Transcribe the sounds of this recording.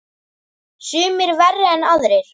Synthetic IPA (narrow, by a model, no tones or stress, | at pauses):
sʏːmɪɾvɛrːɪɛnaðɾɪɾ̥